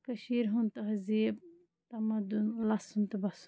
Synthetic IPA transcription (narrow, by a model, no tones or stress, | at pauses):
kɐʃiːɾɦunt̪ɐɦɐzib̚ | t̪ɐmɐd̪unlɐshunt̪ɐbɐsu̥